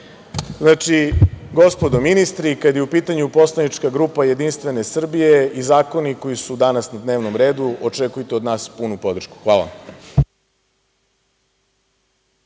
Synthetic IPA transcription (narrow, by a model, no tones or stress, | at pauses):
znaːt͡ʃiɡo̞spo̞d̪ominist̪ɾikad̪jeupiːt̪aɲupo̞slˠanit͡ʃkaɡɾuːpaje̞d̪inst̪ʋe̞nesr̩bijeizaːko̞niko̞jisud̪anasnad̪neːʋno̞mɾe̞ːd̪uot͡ʂekujt̪eod̪naːspunupo̞d̪r̩ʃku̥xʋaːla̰a̰m